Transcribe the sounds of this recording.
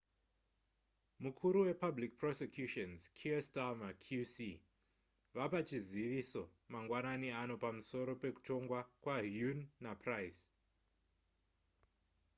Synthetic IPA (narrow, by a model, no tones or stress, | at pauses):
mukʰuɾuwe̞pablik̚prosekjuʃonzkʰiastamakʰusi | ʋapat͡ʃiziʋiso̞maŋɡwananiano̞pamuso̞ɾo̞pe̞ku̥to̞ŋɡwakwaɦjunːaprajs